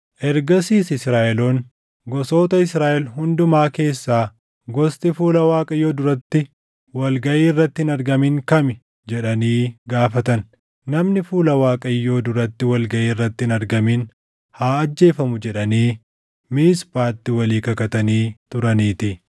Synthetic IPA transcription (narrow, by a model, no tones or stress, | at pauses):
ʔɛɾɡɐsiːsɪsɾaːʔɛloːn | ɡɔso̞ːt̪ɐɪsɾaːʔɛlɦʊnd̪ʊmaːke̞ːsːaː | ɡɔst̪ɪfuːlɐwaːkʼɐjːoːd̪ʊɾɐt̪ːɪ | wɐlɡɐʔiːrːɐt̪ːɪɪnɐɾɡɐmɪŋkɐmɪ | d͡ʒɛᶑɐniːɡaːfɐt̪ɐnː | ɐmnɪfuːlɐwaːkʼɐjːoːd̪ʊɾɐt̪ːɪwɐlɡɐʔiːrːɐt̪ːɪɪnɐɾɡɐmin | haːɐd͡ʒːe̞ːfɐmʊd͡ʒɛᶑɐniː | miːspaːt̪ːɪwɐliːkɐkɐt̪ɐniːt̪ʊɾɐniːt̪ɪ